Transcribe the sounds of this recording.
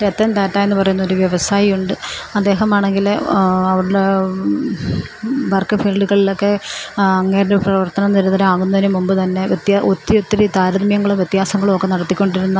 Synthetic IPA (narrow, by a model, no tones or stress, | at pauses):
ɾet̪ːɐnd̪aːtːaːjenːɨpɐrɐjunːɐo̞ɾuʋjeʋɐsaːjijuɳɖɨɐd̪ːe̞ːɦɐmaːɳe̞ŋɡilɐʋiɽɨɽe | bɐrkːɨfeːlɖuɣɐɭilo̞kːe̞ɐŋːeːɾɽeprɐʋɐrt̪ɐnɐmniɾuðɐɾaːɣunːɐðinumːumbɨt̪ɐnːe̞ʋt̪jaʔot̪ːiot̪ːiɾit̪aːɾɐðmjɐŋːɐɭumʋjet̪ːjaːsɐŋːɐɭumokːe̞nɐɽɐt̪ːikʲːo̞ɳɖiɾunːɐ